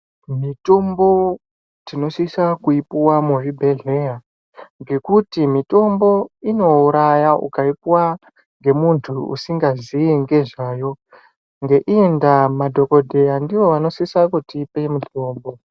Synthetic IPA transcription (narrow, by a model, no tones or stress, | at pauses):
mito̞mbo̞ | tino̞sisakuipuwamuribʱe̞ɮe̞ja | ŋɡe̞kutimito̞mbo̞ino̞uɾajaʔṵkaipwa | ŋɡe̞muntʰuṵsiŋɡaziiŋɡe̞ʐaːjo̞ | ŋɡe̞ʔiendamadʱo̞ko̞dʱe̞jandiʋo̞ʋano̞sisakutiːpemudʱoːmbo̞